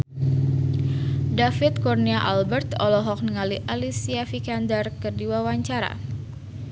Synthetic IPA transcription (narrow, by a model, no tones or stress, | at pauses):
dafit̪̚kɔrniaʔalbɛrt̪ɔlɔɦɔk̚nəŋaliʔalisiafikandərkərdiwawaɲt͡ʃaɾa̰